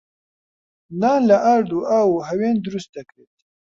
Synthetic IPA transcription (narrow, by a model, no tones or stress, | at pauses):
nalaʔaɾd̪uʔawuɦawend̪ɾust̪akɽet̪